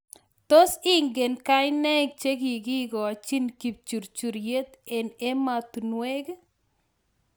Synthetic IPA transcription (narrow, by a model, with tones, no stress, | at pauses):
t̪o˦sɪ˦ŋɡe˨nka˦ɪ˦nɛ˦k̚t͡ʃe˦ɡi˨ɡɪ˦ɡɔ˨a˨t͡ʃi˦nki˨p̚t͡ʃu˨ɾt͡ʃu˨ɾje˦t̪e˨ne˦ma˨t̪u˨nwe˦ɡ